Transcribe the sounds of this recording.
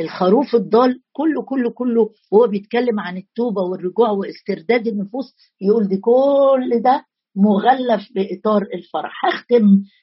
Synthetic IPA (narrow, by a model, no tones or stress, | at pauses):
ʔelxæɾuːfed̪ˤːɑːlkolːokolːokolːo | howːæbejet̪̚kælːemʕanet̪ːuːbæwerːoɡuːʕweʔest̪eɾd̪æːd̪enːofuːsˤ | jeʔuːld̪iːkolːd̪æ | moɣælːæfbeʔet̪ˤɑːɾˤelfɑɾˤɑ̰ħhæxt̪em